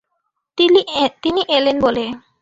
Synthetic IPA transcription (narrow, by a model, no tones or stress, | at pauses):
t̪iniʔelenbole